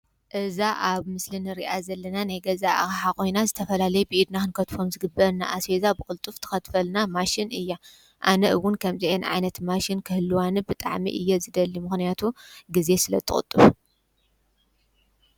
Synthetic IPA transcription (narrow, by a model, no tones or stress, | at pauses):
ʔɨzaʔaβmɨslɨnɨɾiʔazɐlːɐnanajɡɐzaʔa̰ɣħakʼo̞jnazɨt̪ʰɐfɐlalɐjubɨʔid̪naxɨnkʰɐt̪fomzɨɡɨbːɐɾna̰ʔasezabɨkʼɨlt̪ʼuft̪ʰɨ̥xɐt̪fɐlnamaʃinɨjːa | ʔanɐʔɨwʊnkʰɐmziʔenʕa̰jnɐt̪maʃinkʰɨhɨlːɨwanɨbɨt̪ʼa̰ʕmḭʔɨ̰jːozɨd̪ɐlːimɨxnijat̪ʰuɡize̞sɨlɐ̰t̪ʰɨ̰xʼɨ̰t̪ʼːɨβu